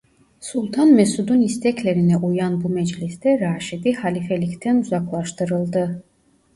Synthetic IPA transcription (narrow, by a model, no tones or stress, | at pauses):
sulˠt̪ʰanmɛsud̪unist̪ʰɛclʲe̞ɾinɛʔujanbumɛd͡ʒlʲist̪ɛɾaːʃid̪ihalʲifelʲict̪ʰɛnuzaklˠaʃt̪ʰɯɾɯlˠd̪ɯ